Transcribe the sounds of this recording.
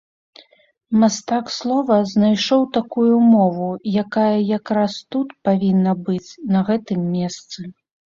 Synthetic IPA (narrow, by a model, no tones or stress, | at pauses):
mast̪akslˠɔvɐznajʂɔwt̪akujumɔvujakajɐjakɾast̪ut̪pavʲinːɐbɨt͡sʲnɐɣɛt̪ɨmːʲɛst̪sɨ